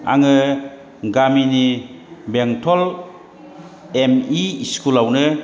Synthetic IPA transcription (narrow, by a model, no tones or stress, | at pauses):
a̰ŋɯ | ɡaminibeŋtʰɔl | emiskʰulawnɯ